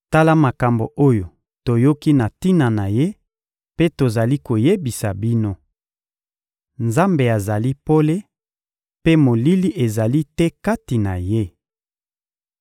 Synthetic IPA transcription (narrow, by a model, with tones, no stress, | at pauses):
ta˦la˦ma˨ka˨mbo˨ʔo˦jo˨ | to˨jo˦ki˦na˨ti˦na˨na˨je˦ | pe˦to˨za˨li˦ko˨je˦bi˨sa˨bi˦no˦ | nza˦mbe˨a˨za˨li˦po˦le˦ | pe˦mo˨li˦li˦ʔe˨za˨li˦tɛ˦ka˦ti˨na˨je˦